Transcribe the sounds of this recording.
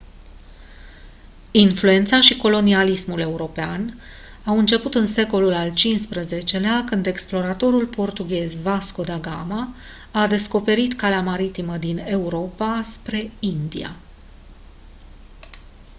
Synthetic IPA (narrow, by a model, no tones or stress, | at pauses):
influe̞nt̪saʃiko̞lo̞nialismule̞uɾo̞pean | awɨnt͡ʃe̞put̪ɨnse̞ko̞lulalt͡ʃinspɾəze̞t͡ʃe̞leakɨnd̪e̞ksplo̞ɾat̪o̞ɾulpo̞rt̪uɡʲe̞zvasko̞d̪aɡama | ad̪e̞sko̞pe̞ɾit̪kaleamaɾit̪iməd̪ine̞uɾo̞paspɾe̞ind̪ḭa̰